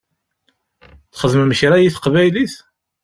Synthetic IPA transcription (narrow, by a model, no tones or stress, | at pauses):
θχəðmməçɾæjiθə̥qvæjliθ